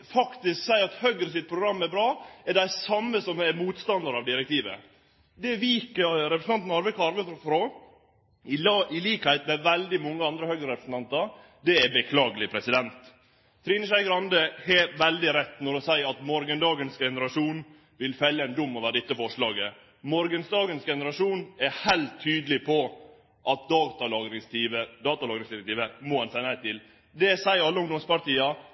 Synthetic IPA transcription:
fɑkt̪ɪsksæɪɾɑt̪hœɡɾəsɪt̪̚pʰɾʊɡɾɑmːɛɾbɾɑːɛɖæɪsɑmːəsɔmɛɾmuːt̪st̪ɑnd̪əɾɑʋd̪ɪɾɛk̚t̪iːʋə̰ | d̪ɛʋiːkəɾɛpɾəsn̩ɑnt̪n̩ɑɾʋəkɑɾʋəfɾo | ɪlɑʔɪliːkhæɪt̪mɛʋæld̪ɪmɔŋːəɑnd̪ɾəhœɡɾəɾɛpɾəsn̩t̪ʰɑnt̪ɑɾ | d̪ɛɛbəkʰlɑːɡəlɪpʰɾɛsɪd̪ɛnt̪ʰː | ɾiːnəʂæɪɡɾɑnd̪əhɛʋɛld̪ɪɾɛt̪ːnɔɾɔsæɪɾɑt̪mɔɾɡənd̪ɑːɡənsɡɛnəɾɑʂuːn | ʋɪlfɛlːəæɪnd̪ʊmːɔʋəɖɛt̪ːəfɔʂɭɑːɡə | mɔɾɡənsd̪ɑːɡənsɡɛnəɾɑʂuːnɛɾhæɪlt̪ʰːyːd̪lɪpʰɔ | ʔɑt̪̚d̪ɑːt̪ɑlɑːɡɾɪŋst̪iːʋəd̪ɑːt̪ɑlɑːɡɾɪŋsd̪ɪɾɛk̚t̪ʰiːʋəmɔhɑnsæɪnæɪt̪ɪl | d̪ɛsæɪəɾɑlːəʊŋd̪ɔmspɑɾʈ̪iːɑ

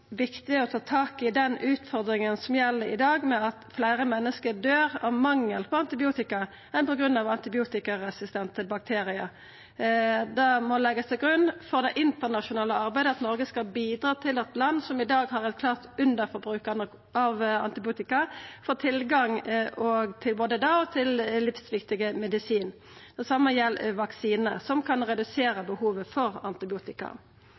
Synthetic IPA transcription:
ʋɪkt̪ɪɛʁɔt̪ʰɑːt̪ʰɑːkɪd̪ɛnʉːt̪fɔʁd̪ɾɪŋənsɔmjɛlːəɾɪ̰d̪ɑːɡmɛɑt̪flæɪʁəmɛnːəskəd̪øːʁɑʋmɑŋːəlpʰɔɑnt̪ɪbɪuːt̪ɪkɑ | ɛnpɔɡɾʉnːɑʋɑnt̪ɪbɪuːt̪ɪkɑʁɛsɪst̪ɛnt̪ʰəbɑk̚t̪ʰeːɾɪɑ | d̪ɑmɔlɛɡəst̪ʰɪlɡɾʉnːfɔʁd̪ɛʔɪnt̪əʁnɑʂʊnɑːləɑʁbæɪd̪əɑt̪nɔʁɡəskɑlbiːd̪ʁɑːt̪ʰɪlɑt̪lɑnːsɔmɪd̪ɑːɡhɑʁɛt̪̚kʰlɑːʁt̪ʉnd̪əfɔɾbʁʉːkɑnə | ɑʋɑ̰nt̪ɪbɪuːt̪ɪkɑfoːt̪ʰɪlɡɑŋɔɡt̪ʰɪlboːd̪əd̪ɑɔt̪ʰɪllɪfsʋɪkt̪ɪɡəmɛd̪ɪsiːn | d̪̥ɛsɑmːəjɛlːʋɑksiːnəʁsɔmkʰɑnʁɛd̪ʉseːɾəbəhuːʋəfɔʁɑnt̪ɪbɪuːt̪ɪkɑ̰

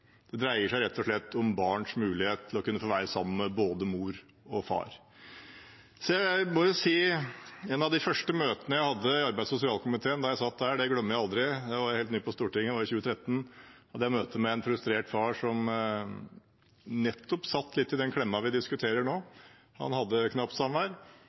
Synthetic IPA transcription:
d̪̥ɛd̪ɾæɪəʂæɪɾɛt̪ːɔʂɭɛt̪ːɔmbɑːɳʂmʉːlɪheːt̪t̪ʰːlɔkʉnːəfoːʋæːɾəsɑmːəməboːd̪əmuːɾ | ɔfɑ̰ːɾ | sɔjæɪmɔjʊsiːɛnɑʋd̪ɪfœʂʈəmøːt̪ənəjæɪhɑd̪ːəɪɑɾbæɪsʊs̬ɪɑːlkʊmɪt̪ʰeːənd̪ɑjæɪsɑt̪̚ːd̪æːɖɛɡɽœmːəjæɪɑld̪ɾɪd̪ɛʋɑɾjæɾheːlt̪nyːpʰɔst̪uːʈɪŋːʋɑɾɪçʉːət̪ʰɾɛt̪ːn̩hɑd̪ːəjæmøːt̪əmɛɛnfɾʉst̪ɾeːʈfɑːʂɔm | nɛt̪ʰːɔpsɑt̪ːlɪt̪ːɪd̪ɛnkʰɽɛmːɑʋɪd̪ɪskʉt̪ʰeːɾəɳoː | hɑ̰nhɑd̪ːəkʰnɑpt̪sɑmæɾ

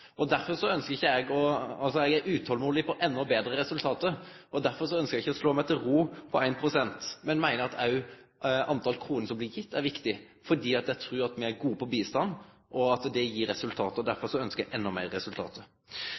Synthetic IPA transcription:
ɔd̪æɾfɔɾʂɔœnskəɾɪçːəɛɡɔɑlsɔɛɡæɾʉːt̪hɔlmuːlɪpʰɔʔɛnːɔbeːd̪ɾəɾɛsʉlt̪ʰɑːt̪əɾ | ɔd̪æɾfɔɾʂɔœnskəɾjæɡɪçːəɔsloːmæɪt̪ʰɪlɾuːpʰɔæɪnpʰɾʊsɛnt̪mɛnmæɪnəɾɑt̪ʰɑʉ | ɑnt̪ʰɑlkʰɾuːnəsɔmblɪɾjɪt̪ːæɾʋɪkt̪ɪ | fɔɖiːɑt̪jæɪt̪ʰɾʉːɾɑt̪mɪæɾɡuːpʰɔbiːst̪ɑnː | ʔɔɑt̪d̪ɛjiːɾːɛsʉlt̪ʰɑːt̪əɔd̪æɾfɔɾʂɔœnskəjɛɡɛnːɔmæ̰ɪɾəɾɛsʉlt̪ʰɑ̰ːt̪ə

